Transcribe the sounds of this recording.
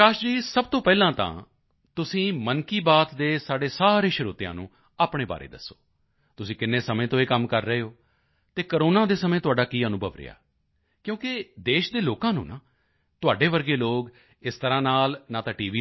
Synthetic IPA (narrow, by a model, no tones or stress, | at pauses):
aːʃd͡ʒiːsəb̚t̪õːpɛːlãːt̪ã̰ː | t̪ʊsĩːmənkiːbaːt̪d̪eːsaːɖeːsaːɾẽːʃəɾuːt̪ɪjã̰ːnṵ̃ː | aːpɳẽːba̰ːɾḛːd̪ə̰sːo̰ː | t̪ʊsĩːkɪnːeːsəmẽːt̪õːeːkəmkəɾːəeːɦoː | t̪eːkəɾoːnãːd̪eːsəmẽːt̪ʊaːɖaːkiːənʊ̃bəʋɾ̰ja̰ː | kjõːkɪd̪eːʃd̪eːloːkãːnṵ̃ːnaː | t̪ʊaːɖeːʋəɾɡeːloːɡ | ɪst̪əɾãːnaːlnaːt̪ãːʈiːʋiː